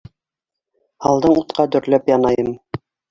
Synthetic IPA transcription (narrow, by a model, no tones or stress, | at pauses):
ɑlˠd̪ɤɴut̪qɑd̪ɵ̆ɾlæpjɑnɑjɤm